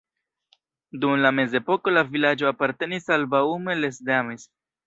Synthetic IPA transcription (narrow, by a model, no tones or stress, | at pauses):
dumlame̞ze̞po̞ko̞lavilad͡ʒo̞apaɾte̞nisalbaume̞le̞sdamis